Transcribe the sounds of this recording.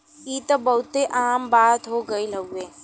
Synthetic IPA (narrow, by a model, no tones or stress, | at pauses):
iːt̪ɐbɐɦʊt̪eʔaːmbaːt̪ɦoɡɐilɐɡueː